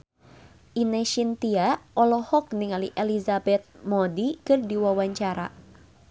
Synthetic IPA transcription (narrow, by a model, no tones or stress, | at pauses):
ʔinɛʃint̪iaʔɔlɔhɔk̚niŋaliʔelizabɛt̪̚mɔdikɨrdiwawaɲt͡ʃaɾa̰